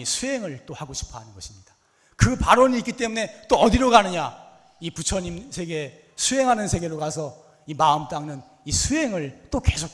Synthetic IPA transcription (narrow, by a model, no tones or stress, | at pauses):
isʰuɦeŋɯɭt͈ohaɡoɕʰi̥pʰʌɦanɯnɡʌɕʰimɲid̥ḁ | kɯpaɾoɲiːk͈it͈e̞mune̞t͈oʌdiɾoɡanɯɲa | iput͡ɕʰʌɲimsʰe̞ɡe̞ | sʰuɦe̞ŋɦanɯnsʰe̞ɡe̞ɾokasʰʌ | imaɯmt͈aŋnɯn | isʰue̞ŋɯɭt͈oke̞sʰo